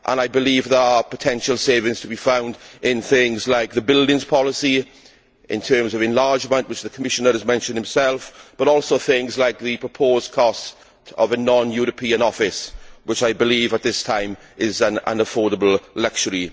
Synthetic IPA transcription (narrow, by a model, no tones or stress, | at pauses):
ʔə̰̃naɪbɪliːvðə˞əpʰətʰɛ̃nʃəlˠseɪvɪ̃ŋz̥tʰəbifãʊ̃ndɪ̃nθɪ̃ŋzlaɪk̚ðəbɪlˠdɪ̃ŋz̥pʰɒləsi | ʔɪ̰̃ntʰɜːmzəvɪ̃nlaːd͡ʒmə̃nʔwɪt͡ʃðəkʰəmɪʃə̃nəɹəzmɛ̃nʃə̃nd̥̚hɪ̃msɛlˠfb̥əɾɔˑlˠsoʊθɪ̃ŋzlaɪk̚ðɨpʰɹ̥əpʰoːz̥kʰɔst | tʰə̰vənɑ̃njuːɹəpʰiːə̃nɔfɪswɪt͡ʃaɪbɪliːvət̪̚ðɪstʰãɪ̃m | ɪzə̃nə̰̃nəfɔːɾəbəlˠlʌk̚t͡ʃəɹi